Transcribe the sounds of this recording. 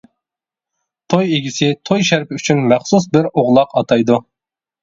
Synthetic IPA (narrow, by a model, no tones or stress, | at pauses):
t̪ʰojeɡʲisɪt̪ʰojʃæɾpɪyt͡ʃʰynmæχsusbɪɾoʁlˠɑqɑt̪ʰɑjd̪u